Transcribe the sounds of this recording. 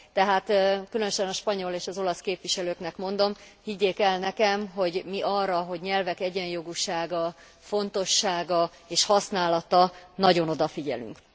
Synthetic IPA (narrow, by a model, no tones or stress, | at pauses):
t̪ɛɦaːt̪kylø̞nøʃɛnɒʃpɒɲo̞leːʃɒzo̞lɒskeːpʋiʃɛløːknɛkmo̞nd̪o̞m | hiɟːeːkɛlnɛkɛmɦo̞ɟmiʔɒrːɒɦo̞ɟɲɛlvɛkɛɟɛɲjo̞ɡuʃaːɡɒ | fo̞nt̪o̞ʃːaːɡɒ | eːʃhɒsnaːlɒt̪ɒnɒɟono̞d̪ɒfiɟɛ̰ly̰ŋk